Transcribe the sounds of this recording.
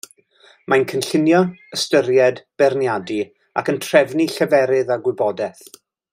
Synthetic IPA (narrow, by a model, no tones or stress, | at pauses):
mankʰənɬɪnjɔəstəɾjɛdb̥ɛrnjadi | a̰kəntʰrɛvniɬəvɛɾɪðaɡwɪbɔdɛθ